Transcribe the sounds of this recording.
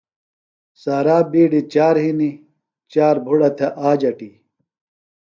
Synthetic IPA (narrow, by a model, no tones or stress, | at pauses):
saːɾaːbiːɖit͡ɕaːɾɦini | t͡ɕaːɾbʱuɽɐt̪ʰeʔaːd͡ʑɐʈi